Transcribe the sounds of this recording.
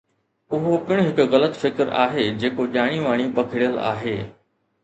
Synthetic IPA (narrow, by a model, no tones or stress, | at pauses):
ʊɦopɪɽ̃ɦɪkɣɐlət̪fɪkɾa̰ːɦeːd͡ʑeːkoʄaːɽ̃iʋaːɽ̃ipɐkʰɪɽijəla̰ːɦeː